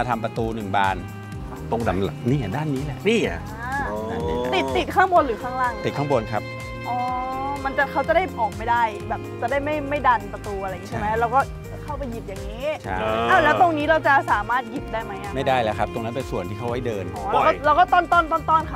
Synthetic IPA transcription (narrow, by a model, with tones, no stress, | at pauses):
ma˧t̪ʰa˧mpa˧t̪uː˧nɯ˨˩ŋbaː˧n˧˩ | t̪o˧ŋda˨˩˦mla˨˩niː˥˩ʔa˨˩daː˥˩nːiː˦˥lɛ˨˩ʔmiː˥˩a̰˨˩ | a˧na˥˩niː˧˩˧t̪i˨˩t̪ːi˨˩t̪̚kʰaː˥˩ŋbo˧nɾɯː˩˦kʰaː˥˩ŋlaː˥˩ŋi˨˩kʰaː˥˩ŋbo˧nkʰa˦˥p̚ | ʔɔː˨˩ma˧nt͡ɕa˨˩kʰa˦˥wt͡ɕa˨˩da˥˩jʔɔː˨˩k̚ma˥˩jdaː˥˩jbɛː˨˩p̚t͡ɕa˨˩daː˥˩jma˥˩jma˥˩jda˧npɾa˧t̪uː˧ʔa˧a˧˨ŋi˦˥t͡ɕʰma˦˥ɾa˧wkɔː˥˩ | t͡ɕa˩kʰa˥˩wpa˧ji˨˩p̪̚jaː˨˩ŋːniː˦˥t͡ɕʰa̰˥˩ʔaː˧˥˩wlɛː˦˥wt̪o˧ŋniː˦˥ɾa˧wt͡ɕa˨˩saː˩˦maː˥˩t̪̚ji˨˩p̪̚daː˥˩jma˦˥jʔa˨˩ma˥˩jdaː˥˩jlɛ˦˥kʰa˦˥p̚t̪o˧ŋna˦˥pe˧nsu˨˩ənt̪ʰiː˥˩kʰa˦˥wha˥˩jdɤː˧nʔɔː˧˦˩ɾaː˧˦wkɔ˥˩ɾa˧wkɔː˥˩t̪ɔː˥˩nt̪ɔː˥˩nt̪ɔː˥˩nt̪ɔː˥˩nkʰa˥